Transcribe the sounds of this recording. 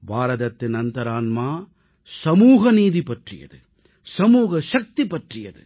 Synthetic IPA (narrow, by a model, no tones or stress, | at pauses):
bʱaːɾɐðɐt̪ːɪnɐnt̪ɐɾaːnmaː | sɐmuːɣɐniːðipɐʈrɪ̰jɐ̰ðɯ | sɐmuːɣɐʃɐk̚t̪ipɐʈrɪjɐ̰ðɯ̰